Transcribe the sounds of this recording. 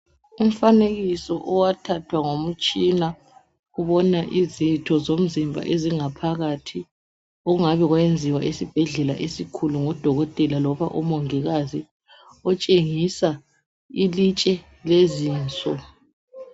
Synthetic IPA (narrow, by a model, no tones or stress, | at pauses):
um̩faneɣisɔʔɔwatʰatʰwaŋom̩t͡ʃʼina | ɣuβɔnaʔizitʰɔzom̩zimbʱa̰ʔeziŋapʰaɣatʰi | oɣuŋaβɛɣwend͡zʱiwaʔesib̥ʱɛɮɛla̰ʔesikʰuluŋɔd̥ʱɔɣɔtʼɛlalɔβaʔɔmɔŋiɣazi | ɔt͡ʃʼeŋisa | ilit͡ʃʼɛ | leziːnt͡sʼɔ